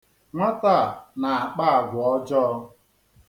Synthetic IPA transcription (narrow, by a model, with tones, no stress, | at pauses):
ŋʷa˦ta˦˨na˨a˨k͡pa˦a˨ɡʷʊ˨ɔ˦d͡ʒɔ˦ɔ˦